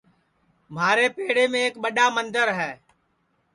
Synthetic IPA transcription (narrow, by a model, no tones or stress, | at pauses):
m̤aːɾeːpeːɽeːmẽːeːkɓəɗaːmənd̪əɾɦɛː